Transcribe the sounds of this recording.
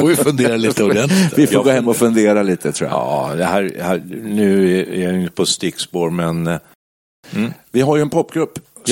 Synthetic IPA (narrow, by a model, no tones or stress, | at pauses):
fovɪfɵnd̪eːɾaliːt̪əɔd̪ɛnt̪lvɪfoɡoːɦɛmːɔfɵnd̪eːɾaliːt̪ət̪ʰɾṵːj̰a̰ɑ̰d̪ɛhæːɾɛhæːɾnʉ̟ːɛæ̰ɾjajʏnt̪ə̥pʰɔst̪ɪkspoːɾmɛn | vɪɦaɾjɵɛnpʰɔpːɡɾɵpː